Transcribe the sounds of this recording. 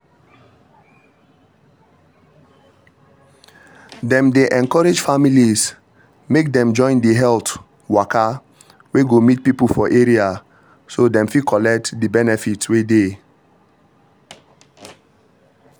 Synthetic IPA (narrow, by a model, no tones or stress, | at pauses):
dɛ̃mdeʔɛ̃nkɔɾed͡ʒfamilis | mek̚dɛ̃md͡ʒɔ̃ɪ̃ndiɦɛlt | waka | weɡomit̚pipulfɔʔeɹia | sodɛ̃mfikʰɔlɛk̚tdibɛnɛfitswede